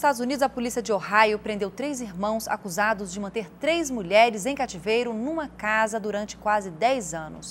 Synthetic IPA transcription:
st̪ad̪ʊzunid̪ʊzɐpolisiɐd͡ʒɪohajʊpɾẽnd̪ewt̪ɾejziɾmɐ̃w̃sa̰kuzad̪ʊzd͡ʒɪmɐ̃nt̪eɾt̪ɾejzmuʎɛɾɪzẽj̃kat͡ʃivejɾʊnũmɐkazɐd̪uɾɐ̃nt͡ʃɪ̥kwazɪd̪ɛjzɐ̃nʊ̰s

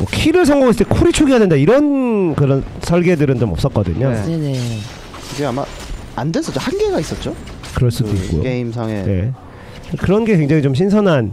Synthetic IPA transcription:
mwʌkʰiɾɯɭsʰʌŋɡaɡosɯt͈ekʰoɾit͡ɕʰoɡiɦadendaiɾʌnkɯɾʌnsʰʌɭɡe̞dɯɾɯnt͡ɕomʌp̚s͈ʌt̚k͈ʌdɯ̰ɲone̞ne̞ | kɯɡeama̰ | andwens͈ʌtt͡ɕ͈ohanɡe̞ɡais͈ʌt̚t͡ɕ͈o | kɯɾʌɭs͈udoikk͈o̰jo̰eimsʰaŋeje̞̰ | kɯɾʌnɡe̞kwe̞ŋd͡ʑaŋit͡ɕomɕʰinsʰʌnan

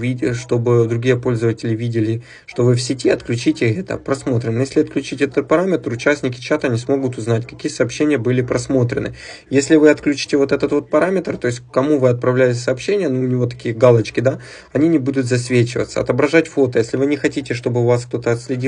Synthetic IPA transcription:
vʲiʂt̪o̞bɨd̪ɾʊɡʲijəpo̞lʲzəvətʲɪlʲɪvʲidʲɪlʲɪ | ʂt̪o̞vɨfsʲɪtʲiɐt̪klʲʉt͡ɕitʲɪxɛt̪ə̰pɾɐsmo̞t̪ɾʲɪnːəjesʲlʲɪɐt̪̚klʲʉt͡ɕitʲɛt̪ət̪̚pɐɾamʲɪt̪rʊt͡ɕæsʲnʲɪkʲɪ̥t͡ɕat̪ənʲɪsmo̞ɡʊt̪ʊznatʲkɐ̥kʲijəsɐːpɕːenʲɪjəbɨlʲɪpɾɐsmo̞t̪ɾʲɪ̰nɨ̰ | jesʲlʲɪvɨɐt̪klʲʉt͡ɕɪ̥tʲɪvo̞t̪ɛt̪ət̪vo̞t̪̚pɐɾamʲɪt̪rt̪o̞jɪsʲtʲkɐmuvɨɐt̪̚pɾɐvlʲæjɪtʲɪ̥sɐːpɕːenʲɪjənuʊnʲɪvo̞t̪ɐ̥kʲijəɡalˠət͡ɕkʲɪd̪a | ɐnʲinʲɪbud̪ʊt̪zɐsʲvʲet͡ɕɪvə̰t̪sə̰ɐ̰t̪əbɾɐʐatʲfo̞t̪əjesʲlʲɪvɨnʲɪxɐtʲitʲɪʂt̪o̞bɨvaskt̪o̞t̪əɐt̪sʲlʲɪdʲi

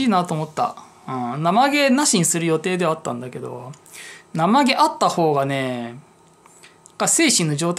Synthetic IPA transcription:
iːnat̪o̞ːmo̞t̪ːa̰ | ɯ̃ːnamaɡe̞naɕĩɰ̃sɨɾɯ̟jo̞t̪e̞ːd̪e̞βat̪ːã̰nd̪ake̞d̪o̞̰ | namaɡe̞ʔat̪ːaho̞ːɡane̞ | kːase̞ːɕĩnːo̞ʑo̞ːt̪

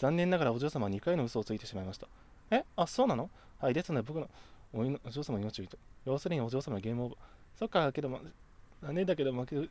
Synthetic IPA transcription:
z̥ãnːẽ̞nːaɡaɾao̞ʑo̞ːsamaɲ̟ikaino̞ɯ̟so̞ːt͡sɨit̪e̞ɕimaimaɕi̥t̪ḁ | easo̞ːnano̞ | haid̪e̞sɨnod̪ebo̞kɯ̟no̞ | oʑoːsamaino̞t͡ɕioit̪ejo̞ːsɨɾʲiɲio̞ʑoːsamanoɡʲe̞ːmɯ̟obaso̞kːake̞d̪o̞ma̰zanːẽ̞nd̪ake̞d̪o̞make

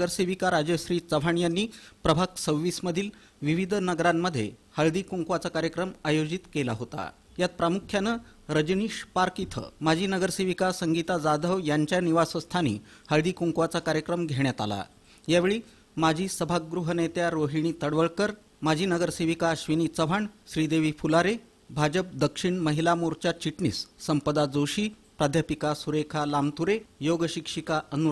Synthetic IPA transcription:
ɡəɾseʋikaɾad͡ʑjəɕɾiːt͡səʋʱaɳjanːiːpɾəbʱaksəʋʋisməd̪ʱiːl | ʋiʋid̪ʱnəɡɾamːəd̪ʱːjḛhəɭd̪iːkuŋkʋat͡sakaɾjəkɾəmajod͡ʑit̪kelaɦot̪a̰ | jat̪̚pɾamukʰjanəɾəd͡ʑniʂpaɾkit̪ʰə̰mad͡ʑʱiːnəɡəɾseʋikasəŋɡit̪ad͡zad̪ʱəʋjaɲt͡ɕjaniʋasəst̪ʰanḭːhəɭd̪iːkuŋkʋat͡sakaɾjəkɾəmɡʱeɳjat̪a̰la̰ | jaʋeɭiː | mad͡ʑʱiːsəbʱaɡɾuɦənet̪jaɾoɦiɳ̃iːt̪əɽʋəɭkəɾ | mad͡ʑʱiːnəɡəɾseʋikaɕʋiniːt͡səʋ̤ʱaɳɕɾiːd̪eʋiːfulaɾe | bʱad͡ʑəp̚d̪əkʂiɳməɦilamuɾt͡ɕjat͡ɕiʈɳḭːsːəmpəd̪ad͡zoɕiːpɾad̪ʱjapikasuɾekʰalamt̪uɾejoɡəɕikʂikaənu

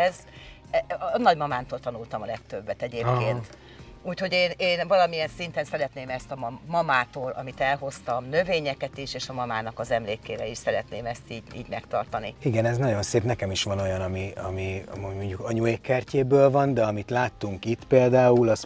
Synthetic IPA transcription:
ɛz | ɛnɒɟmɒmaːnt̪oːlt̪ɒnult̪ɒmɒlɛkt̪øbːɛt̪ɛɟeːpkeːnt̪ | uːcho̞ɟeːneːnvɒlɒmiɛnsint̪ɛnsɛɾɛt̪neːmɛst̪ɒmɒmɒmaːt̪oːlɒ̰mit̪ɛlɦo̞st̪ɒmnø̞veːɲɛkɛt̪iʃeːʃɒmɒmaːnɒkɒzɛmleːkeːɾɛiʃsɛɾɛt̪neːmɛst̪iːɟḭːɟmɛkt̪ɒ̰rt̪ɒniiɡɛnɛznɒɟo̞nseːpnɛkɛmiʃʋɒno̞jɒnɒmiɒmimomoɲɟukɒɲuekːɛrceːbøːlvɒnd̪ɛɒmit̪laːt̪ːuŋkit̪ːpeːld̪aːulɒs

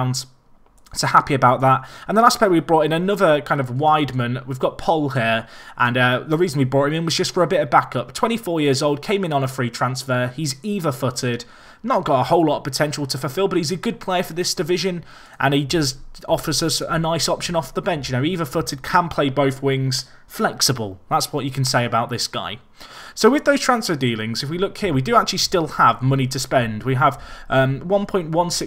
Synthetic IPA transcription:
ʊ̃ndz̥ | tʰəhapiəbaʊʔ̪̚ðatə̃nðəlaspʰɛɪwivbɹɔˑtɪ̃nənʊðəkʰãɪ̃ndəvwaɪdmə̃nwivɡɒʔ̚pʰʌlˠɦiəɹʔə̃nʌðəɹiːzə̃nwibɹɔˑtɪ̃mɪ̃nwʌzd͡ʒʌstfəɹəbɪtəvbakʌp̚tʰw̥ɛ̃ñtifɔːjɪəzoʊlˠd̚kʰẽɪ̃mɪ̃nə̃nəfɹiːtʰɹ̥ãnsfəːiziːvəfʊtɪd | nət̚ɡ̥ɒtəhoʊlɒtəv̥pətʰɛ̃nʃəl̩ˠtʰəfəlˠfɪlˠbʌt̚hizəɡʊd̚pʰl̥eɪəfəðɪsd̥ɪvɪʒə̃n | ʔə̃nid͡ʒʌstɒfəzʌsənaɪsɒpʃə̃nɒfðəbɛ̃nt͡ʃjənoʊiːvəfʊtɪd̚kʰə̃npʰl̥eɪbəʊθwɪ̃ŋz̥ | flɛksəbəlˠðatswɒt͡ʃəkʰə̃n̩seɪəbaʊʔ̪ðɪsɡ̥a̰ɪ | soʊwɪðəʊztʰɹ̥ãnsfədiːlɪ̃ŋzɪfwilʊkhiəwidəak̚t͡ʃʉəlˠistɪlˠəvmʌñitʰəspɛ̃ndwiəv̥ʔʌ̃mwʌ̃npʰɔ̃ɪ̃nʔwʌ̃nsɪ

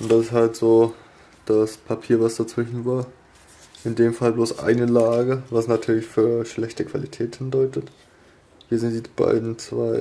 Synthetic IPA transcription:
ʔʊntd̥asɪsthaltz̥oː | d̥aspʰapʰiːɐvasd̥at͡sv̥ɪʃn̩vaːɐ | ʔɪndeːmfalbloːsʔa̰ɪnəlaːɡəvasnatʰyːɐlɪçfyːɐʃlɛçtəkv̥a̰litʰɛːthɪndɔʏtət | hiːɐzɪnt̚d̥iːb̥a̰ɪdn̩t͡sv̥a̰ɪ

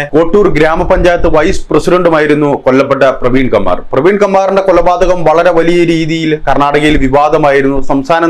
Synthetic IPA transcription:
ko̞ːʈːuːrɡɾaːmɐpɐɲd͡ʑaːjɐt̪ːɨʋɐjsprɐsiɖɐɳɖumaːjiɾunːukolːɐpːeʈ̬ːɐprɐʋiːɳkɐmːa̰ːrprɐʋiːɳɖkɐmːaːriɳɖe̞kolːɐbaːd̪ɐɣɐmʋɐɭɐɾe̞ʋɐlijɐɾiːðijilkɐrɳaːɽɐɣɐjilʋiʋaːd̪ɐmaːjiɾunːusɐmst̪ʰaːnɐ

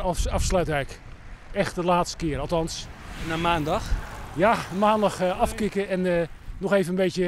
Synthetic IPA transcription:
ɑfslœɥtʋɛjk | ɛxtdəlaːtstə̥kɪəɾɑlˠtɑnsnamaːndɑxjamaːndɑxɑfkɪkəɛnnɔxeːvənənbejtjə

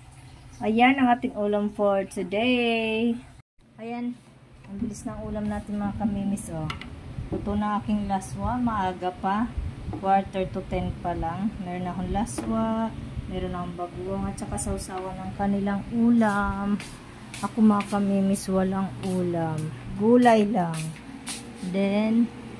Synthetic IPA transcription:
ʔɐjanɐŋaːt̪ɪŋʔuːlɐmfoɹt̪ʊd̪ɛ | ʔɐjan | ʔɐŋbɪlɪsnɐŋʔuːlɐmnaːt̪ɪnmɐŋakɐmiːmɪsʔot̪ʊt̪onɐŋʔaːkɪŋlaswɐmɐʔaːɡɐpakwaɹt̪ɛɹt̪ʊt̪ɛn̚pɐlaŋmɛːɾonːɐkʊnlaswaʔmɛːɾonɐkoŋbɐɡuʔoŋɐt̪̚t͡ʃɐkasɐʔʊsaːwɐnɐŋkɐnɪlaŋʔuːlam | ʔɐkomɐŋakɐmiːmɪswalɐŋʔuːlamɡuːlɐjlaŋ | d̪ɛn

